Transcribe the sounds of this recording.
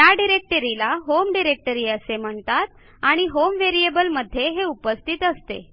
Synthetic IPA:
jjaɖiɾek̚ʈəɾilaɦomɖiɾek̚ʈəɾiːəsem̤əɳt̪at̪ | aɽ̃iɦomʋeɾiebəlməd̪ʱːjeɦeupəst̪ʰit̪əst̪ḛ

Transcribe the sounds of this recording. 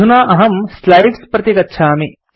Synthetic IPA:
unaːʔɐɦɐmslɐjʈspɾɐt̪ikɐtːʃʰaːmi

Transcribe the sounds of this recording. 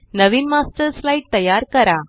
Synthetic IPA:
nəʋiːnmasʈəɾslaiʈ̚t̪əjaɾkəɾa

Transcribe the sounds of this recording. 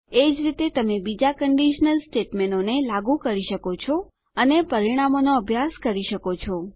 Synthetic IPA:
ed͡ʒɾit̪et̪əmebid͡ʒakəɳɖiʃnəlsʈeʈmenonelaɡukəɾiʃəkot͡ʃʰɔ | ənepəɾiɽ̃amonoəbʱjaskəɾiʃəkot͡ʃʰɔ

